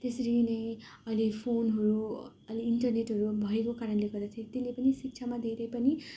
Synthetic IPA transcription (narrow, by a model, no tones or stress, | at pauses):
t̪esʌɾinʌj̃ʌilepʰonɦʌɾu | ʌliːɳʈʌrneʈɦʌɾubʱʌekokaɾʌnleɡʌrd̪at̪ʰjẽt̪elːepʌnisik̚t͡sʰamad̪ʱeɾʌjpʌni